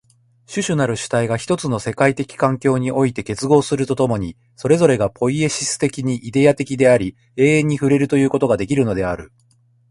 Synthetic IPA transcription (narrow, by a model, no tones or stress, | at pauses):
ɕɨɕɨnaɾɯ̟ɕɨ̥t̪aiɡaçi̥t̪o̞t͡sɨno̞se̞kait̪e̞kʲi̥kãŋkʲo̞ːɲ̟iʔo̞it̪e̞ke̞t͡sɨɡo̞ːsɨɾɯ̟t̪o̞t̪o̞mo̞ɲ̟i | so̞ɾe̞zo̞ɾe̞ɡapo̞ie̞ɕisɨ̥t̪e̞kʲiɲ̟iʔid̪e̞jat̪e̞kʲid̪e̞aɾʲi | e̞ːẽ̞ɲ̟ːiɸɯ̟ɾe̞ɾɯ̟t̪o̞jɯ̟ːko̞t̪o̞ɡad̪e̞kʲiɾɯ̟no̞d̪e̞aɾɯ̟